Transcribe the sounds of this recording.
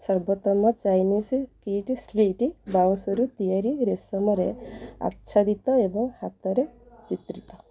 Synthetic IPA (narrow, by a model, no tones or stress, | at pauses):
sɔɾbɔt̪ɔmɔt͡ʃajniskiʈspiʈibawsɔɾut̪ijaɾiɾesɔmɔɾea̰tːʃʰad̪it̪ɔebɔŋhat̪ɔɾe | t͡ʃit̪ɾit̪ɔ